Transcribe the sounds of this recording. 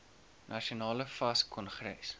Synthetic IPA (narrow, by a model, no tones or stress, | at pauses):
nʔɐʃionɑːləfɐskʰɔnχɾɛ̰s